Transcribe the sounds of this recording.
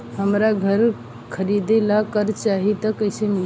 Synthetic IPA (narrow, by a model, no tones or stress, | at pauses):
ɦəmɾaɡʱəɾ | kʰəɾid̪elakəɾt͡ʃaɦit̪əkəɪsemil